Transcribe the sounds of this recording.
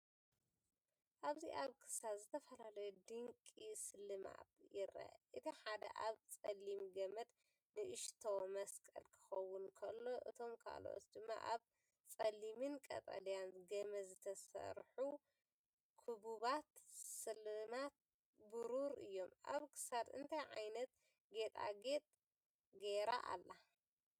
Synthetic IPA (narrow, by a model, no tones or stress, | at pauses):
ʔaβziʔaβkʰɨ̥sazɨt̪ʰɐfɐlalɐjud̪ɨŋkʼisɨlɨma̰bjɪɾɐ̰ʔɨt̪ʰiħad̪ɐ̰ʔaβt͡sʼɐlːimɡɐmɐd̪ | nɨʔɨʃt̪ʰomɐskʼɐ̰lkʰɨ̥xɐwːʊnkʰɐlːo̞ʔɨt̪ʰo̞mkʰa̰lo̰ʔo̰t̪d̪ɨmːa̰ʔaβ | t͡sʼɐlimɨnkʼɐ̰t̪ʼɐ̰lijanɡɐmɐzɨt̪ʰɐsɐ̰ɾħu | kʰubuβat̪sɨlɨnat̪̚ | bɨɾuɾɨ̰jːo̞mʔa̰βkʰɨ̥sad̪ɨnt̪ʰajʕajnɐt̪̚ | ɡe̞t̪ʼa̰ɡet̪ʼ | ɡeɾa̰ʔa̰lːa